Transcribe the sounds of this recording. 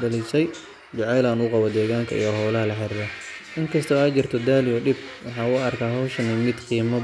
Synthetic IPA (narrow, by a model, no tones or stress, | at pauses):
ɐlisɛj | t͡ʃʊʕɛjlaːnuqɑβɔd̪ɛːɣaːŋkʰɐ̰ʔḭjɔɦɔwlɐɦɐlɐħɪɾd̪ɐʔɪŋkʰɐst̪ʰɔaːt͡ʃɪrt̪ʰɔd̪aːlɪjɔɖɪbwɑħɑːʊɐrkʰaːɦɔwʃɐnimɪd̪qiːmɐ